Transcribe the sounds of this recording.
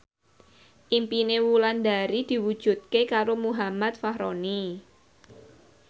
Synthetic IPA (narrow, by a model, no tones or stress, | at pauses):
ʔimpinewuland̪aɾid̪̥i̤wud̥ʒ̥ṳt̪̚kekaɾomuɦamat̪̚fahɾoni